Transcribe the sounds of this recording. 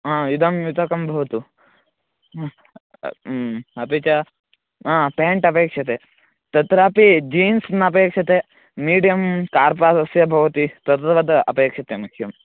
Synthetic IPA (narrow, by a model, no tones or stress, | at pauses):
ãːjud̪ʱɐmjut̪ɐkɐmbʱɐʋɐt̪u | ɐpeːt͡ʃɐ | ãːpeːɳʈɐpeːkʂɐt̪eː | t̪ɐt̪ɾaːpid͡ʒiːnsnɐɐpeːkʂɐt̪e | miːɖijɐmkaːɾpaːsɐsjɐbʱɐʋɐt̪it̪ɐt̪ɾɐʋɐd̪ʔɐpeːkʂɐt̪emɐkʰjɐm